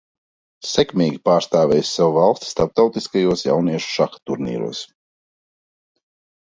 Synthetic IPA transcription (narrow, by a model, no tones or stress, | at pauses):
sɛkmʲiːɡʲipaːɾst̪aːvʲɛːjsʲsawuvalˠst̪ʲst̪aɾp̚t̪awt̪iskajuɔsja̰wniɛʃu̥ʃaxḁt̪uɾnḭːɾṵɔs